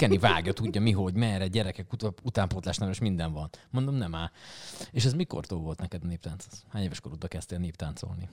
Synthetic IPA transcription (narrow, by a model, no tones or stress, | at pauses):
kɛnivaːɡjɒt̪uɟːɒmiɦo̞ɟmɛːɾɛɟɛɾɛkɛkuut̪aːmpot̪laːʃt̪navɛʃmind̪ɛɱvɒnmo̞nd̪o̞mnɛmaːeːʃɛzmiko̰rt̪oːlvo̞lt̪nɛkɛd̪ɒneːp̚t̪aːnt̪so̥shaːɲeːvɛʃkoɾud̪bɒkɛst̪eːlneːp̚t̪aːnt̪so̰lni